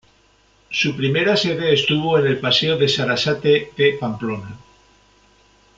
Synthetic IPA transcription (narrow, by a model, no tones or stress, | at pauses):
supɾime̞ɾase̞ðe̞ːst̪uβ̞o̞ene̞lpaseoðe̞saɾasat̪eðepamplo̞na